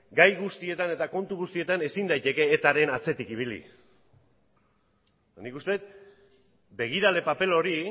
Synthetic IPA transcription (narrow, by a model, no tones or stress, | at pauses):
ɡajɣust̪ie̞t̪ane̞t̪ako̞nt̪uɣust̪ie̞t̪ane̞sind̪ajt̪e̞ke̞ːt̪aɾe̞nat͡se̞t̪ikiβ̞ilḭ | nikust̪e̞t̪̚ | be̞ɣ̞iɾale̞pape̞lo̞ɾi